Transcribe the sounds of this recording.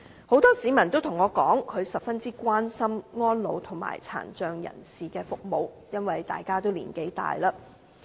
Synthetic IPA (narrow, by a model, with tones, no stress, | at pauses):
ho˨˥wt̪ɔː˥siː˨˥mɐ˨˩nt̪o˥wt̪ʰʊ˨˩ŋɔː˨˧kɔː˨˥ŋkʰɵ˨˧ɥsɐ˨p̚fɐ˥nt͡siː˥kʷwaː˥nsɐ˥mŋɔː˥nlo̰˨˧wt̪ʰʊ˨˩ŋma̰ː˨˩jt͡sʰa̰ː˨˩nt͡ʃœː˨ŋjɐ̰˨˩nsiː˨kɛː˧fʊ˨k̚mo˨˧w | jɐ˥nwɐ˨jt̪a̰ː˨jkaː˥t̪o˥wlḭː˨˩nke˨˥jt̪a̰ː˨jlaː˧